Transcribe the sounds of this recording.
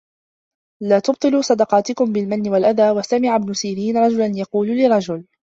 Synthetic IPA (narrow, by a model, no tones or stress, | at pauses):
laːt̪ʊb̚t̪ˤɨlusˤɑd̪ɑqɑːt̪ɪkʊmbɪlmanːɪwalʔaðaːwasamɪʕabnʊsiːɾiːnɾˤɑd͡ʒʊlanjɑquːllɪrˤɾˤɑd͡ʒʊl